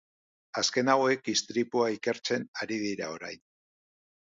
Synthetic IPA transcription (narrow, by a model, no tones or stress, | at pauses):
aske̞nawe̞k̚ist̪ɾipuaike̞ɾt͡se̞naɾið̞iɾao̞ɾa̰jn